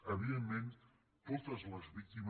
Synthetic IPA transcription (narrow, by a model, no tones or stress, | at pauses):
əβiðemːen | t̪ot̪əzləzβik̚t̪im